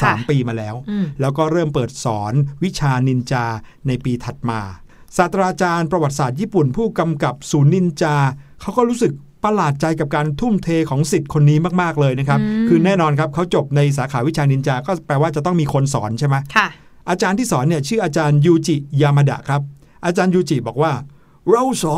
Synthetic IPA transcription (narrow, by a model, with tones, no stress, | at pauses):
saː˨˩˦mpiː˧maː˧lɛː˦˥wlɛː˦˥wkɔː˥˩ɾɤː˥˩mpɤː˨˩t̪̚sɔː˩˦nwi˦˥t͡ɕʰaː˧ni˧nt͡ɕaː˧ | na˧jpiː˧t̪ʰa˨˩t̪̚maː˧ | saː˨˩t̪ɾaː˧t͡ɕaː˧npɾa˧wa˨˩t̪̚saː˨˩t̪̚jiː˥˩pu˨˩npʰuː˥˩ka˧mka˨˩p̚suː˩˦nːi˧nt͡ɕaː˧kʰa˦˥wkɔː˥˩ɾuː˦˥sɯ˨˩k̚ | pa˧laː˨˩t̪̚t͡ɕa˧jka˨˩p̚kaː˧nt̪ʰu˥˩mt̪ʰeː˧kʰɔː˩˦ŋsi˨˩t̪̚kʰo˧nːiː˦˥maː˥˩k̚maː˥˩k̚lɤː˧jna˦˥kʰa˦˥p̚kʰɯː˧nɛː˥˩nɔː˧nkʰa˦˥p̚kʰa˦˥wt͡ɕo˨˩p̚na˧js̬aː˩˦kʰaː˩˦wi˦˥t͡ɕʰaː˧ni˧nt͡ɕaː˧kɔː˥˩pɛː˧waː˥˩t͡ɕa˨˩t̪ɔ˥˩ŋmiː˧kʰo˧ns̬ɔː˩˦nt͡ɕʰa˥˩jma˦˥kʰa˧˩ | ʔaː˧t͡ɕaː˧nt̪ʰiː˥˩sɔː˩˦nːi˥˩ɐt͡ɕʰɯː˥˩ʔaː˧t͡ɕaː˧njuː˧t͡ɕi˨˩jaː˧ma˧da̰˨˩ʔkʰɾa˦˥p̚ | ʔaː˧t͡ɕaː˧njuː˧t͡ɕi˨˩bɔː˨˩k̚waː˥˩ | ɾo˧wsɔː˨˦